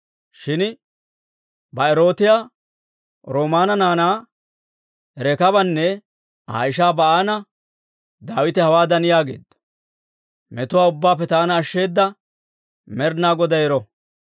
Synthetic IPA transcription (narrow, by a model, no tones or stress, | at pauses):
ʃɪn | bɐɛɾo̞ːt̪ɪjaː | ɾo̞ːmaːnɐnaːnaː | ɛɾɛkɐbɐnːɛ | ha̰ːjɪʃ̬aːbɐʔaːnɐ | d̪aːwɪt̪ɛhɐwaːd̪ɐnɪjaːɡe̞̰ːd̪ːɐ̥ | mɛt̪ʊwaːʊbːaːp̬ːɛt̪aːnɐːʃːe̞ːd̪ːɐ | mɛɾnaːɡɔd̪ɐjɛɾɔ